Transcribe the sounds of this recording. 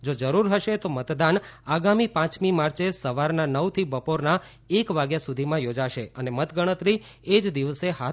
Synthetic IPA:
d͡ʒod͡ʒəɾuɾɦəʃet̪omət̪d̪anaɡamipãt͡ʃmimaɾt͡ʃesəʋaɾnanəwt̪ʰibəpoɾna | ekʋaɡjasud̪ʱimãjod͡ʒaʃeənemət̪ɡəɽ̃ət̪ɾi | ed͡ʒd̪iʋəseɦa

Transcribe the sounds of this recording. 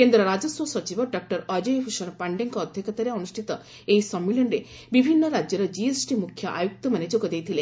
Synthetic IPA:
kend̪ɾɔɾad͡ʒɔswɔsɔt͡ʃibɔɖɔk̚ʈɔɾɔd͡ʒɔjpʰuʃɔnpaɳɖeŋkɔːd̪ʱjɔkɔt̪aɾeɔnusʈʰit̪ɔ | ejsɔmːilɔɳɾe | bibʱinːɔɾad͡ʒjɔɾɔd͡ʒiesʈimukʰjɔʔa̰juk̚t̪ɔmaned͡ʒoɡɔd̪ejt̪ʰile

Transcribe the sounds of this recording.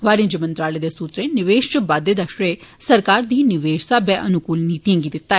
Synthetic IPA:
ʋaːɾ̃d͡ʒəmə̃nt̪ɾaːleːd̪eːsuːt̪ɾẽːnɪʋeːʃt͡ʃəbaːd̪eːd̪əʃɾeːsəɾkaːɾd̪iːnɪʋeːʃsaːbɛːʔənʊkuːlniːt̪ijãːŋɡiːd̪ɪt̪ːaːɛ

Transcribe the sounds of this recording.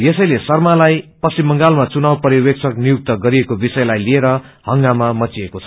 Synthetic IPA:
jesʌjlesʌrmalajpʌsimːʌŋɡalmat͡sunawpʌɾiwek̚t͡sʰʌk̚nijuk̚t̪ʌɡʌɾiekobisʌjlajlieɾʌ | hʌŋɡamamʌt͡siekot͡sʰʌ

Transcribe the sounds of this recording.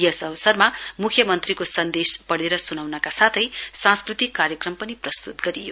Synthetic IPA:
jʌsʌbʌsʌrmamukʰjʌmʌnt̪rikosʌnd̪espʌɽeɾʌsunawnʌkasat̪ʰʌjsãskrit̪ikːaɾjʌkrʌmpʌniprʌst̪ut̪̚ɡʌɾijo

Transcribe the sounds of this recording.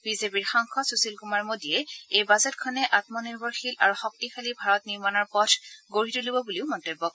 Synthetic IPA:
bizepiɹxɔŋxɔsusilkumaɹmodijɛejbazɛtkʰɔnɛʔatmɔniɹbɔɹxilʔaɹuxɔk̚tixʰalibʱaɹɔtniɹmanɔɹpɔtʰɡoɹitulobɔbuliʊmɔntebːɔk

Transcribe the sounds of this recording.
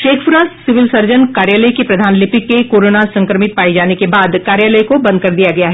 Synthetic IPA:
ʃeːkʰpʊɾãːssɪʋɪlsɐɾd͡ʒənkaːɾjaːləikepɾɐd̪ʱaːnlɪpɪkːekoːɾoːnasɐ̃ŋkɾəmɪt̪̚paːid͡ʒaːnekebaːd̪kaːɾjaːləikobɐ̃nd̪̚kɐɾd̪ijaɡɐjaɦɛ

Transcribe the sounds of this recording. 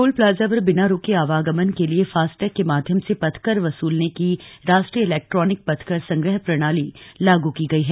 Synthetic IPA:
koːlplaːd͡ʒaʋəɾbɪnaɾoːkeaːʋaːɡəmənkeliefaːsʈɛːkːemaːd̪ʱjəmsepɐt̪ʰkəɾʋɐsuːlnekiɾaːʃʈɾijəɪlɛːk̚ʈɾɔːnɪk̚pɐt̪ʰkəɾsɐ̃ŋɡɾəɦpɾɐɽ̃aːlilaːɡukiɡɐiɦɛː

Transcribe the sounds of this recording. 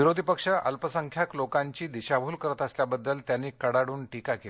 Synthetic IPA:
iɾod̪ʱipəkʂəʔə̰lpəsəŋkʰjaklokaɲt͡ɕiːd̪iɕabʱuːlkəɾət̪əsljabəd̪ːəlt̪janːiːkəɽaɽuːnʈikake

